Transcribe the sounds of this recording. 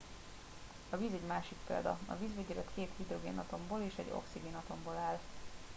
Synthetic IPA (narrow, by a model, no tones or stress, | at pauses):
ɒviːzɛɟmaːʃik̚pḛːld̪ɒ̰ɒ̰viːzveɟɛzɛt̪keːt̪hid̪roɡḛːnɒt̪o̞mboːleːʃɛ̰ɟo̞̰ksiɡeːnɒt̪o̞mboːlaːl